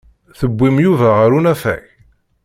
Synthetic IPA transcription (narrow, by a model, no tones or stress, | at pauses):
θəbʷːimjuvæʁəɾunæfæ̰ç